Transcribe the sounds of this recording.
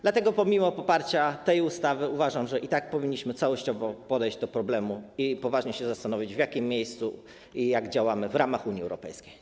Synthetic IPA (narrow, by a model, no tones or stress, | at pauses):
d̪lat̪ɛɡɔpɔmʲimɔpɔpaɾt͡ɕat̪ɛjust̪avɘuvaʐamʐɛʔit̪ak̚pɔvʲiɲːiɕmɘt̪sawɔɕt͡ɕɔvɔpɔd̪ɛjʑd͡ʑd̪ɔpɾɔblɛmuipɔvaʐɲɛɕɛzast̪anɔvʲid͡ʑvjakʲimːjejst̪su | ijaɡd͡ʑawamɘvɾamaxuɲiɛ̰wɾɔpɛ̰jskʲejj